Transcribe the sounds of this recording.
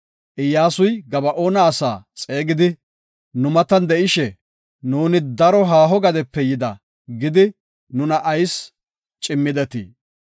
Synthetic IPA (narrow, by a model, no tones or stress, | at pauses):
ʔɪjːaːsʊjɡɐbɐʔo̞ːnɐːsaːt͡sʼe̞ːɡɪd̪ɪ | nʊmɐt̪ɐnd̪ɛʔɪʃɛ | nuːnɪd̪ɐɾɔɦaːɦɔɡɐd̪ɛpːɛjɪd̪ɐ̰ | ɡɪd̪ɪ | nʊnɐʔɐjs | t͡ʃʼɪmːɪd̪ɛt̪ḭː